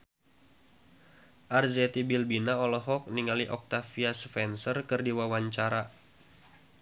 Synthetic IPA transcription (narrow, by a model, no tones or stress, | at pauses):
ʔarzɛt̪ibilbinaɔlɔɦɔk̚niŋaliʔɔk̚t̪afiasfɛnsərkərdiwawaɲt͡ʃaɾa